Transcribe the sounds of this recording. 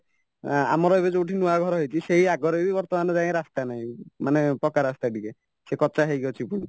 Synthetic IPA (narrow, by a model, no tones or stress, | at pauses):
a̰mɔɾɔebed͡ʒeuʈʰinuaɡʱɔɾɔɦejt͡ʃʰiseɦiaɡɔɾɔibibɔɾt̪ɔmanɔd͡ʒaẽɾast̪anaɦĩmanepɾɔkaɾast̪aʈike | sekɔt͡ʃaɦejɡɔt͡ʃʰipuɽ̃i